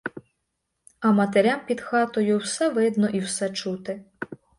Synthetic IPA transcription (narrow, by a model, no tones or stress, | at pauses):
ɐmɐt̪eɾʲampʲid̪xɑt̪ɔjʊwsɛʋɪd̪nɔʔiwsɛt͡ʃut̪ɪ